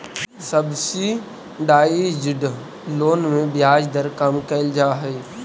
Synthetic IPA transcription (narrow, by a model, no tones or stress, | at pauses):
səbsi | ɖaːid͡ʒɪɖ | loːnmẽbjaːd͡ʒd̪əɾkəmkəɪld͡ʒaːɦɛː